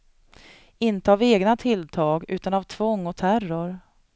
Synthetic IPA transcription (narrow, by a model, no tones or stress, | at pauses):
ɪnt̪əaveːɡnat̪ʰɪlt̪ʰɑːɡʉ̟ːt̪anavt̪ʰvɔŋːɔt̪ʰærʊɾ